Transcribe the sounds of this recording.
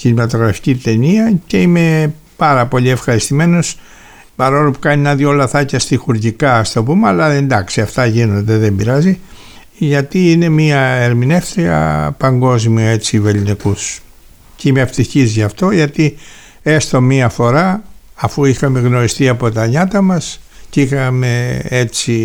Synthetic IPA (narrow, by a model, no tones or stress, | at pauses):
çinimɐt̪o̞ɣɾɐfi̥cit̪e̞niɐce̞ime̞ | pɐɾɐpo̞ʎiefxɐɾist̪ime̞no̞s | pɐɾolopu̥kɐninɐðjo̞lɐθɐcɐst̪ixuɾʝikɐːst̪o̞pumeɐlɐend̪ɐksiɐft̪ɐʝino̞nd̪e̞ðe̞mbiɾɐzi | ʝɐt̪iine̞miɐe̞ɾmine̞fθɾiɐ̰pɐŋɡo̞zmioe̞t͡sive̞linikus | ceimeeft̪içizʝɐft̪o̞ʝɐt̪i | e̞st̪o̞miɐfo̞ɾɐːfuixɐme̞ɣno̞ɾist̪iɐpo̞t̪ɐɲɐt̪ɐmɐs | ceixɐme̞e̞t͡si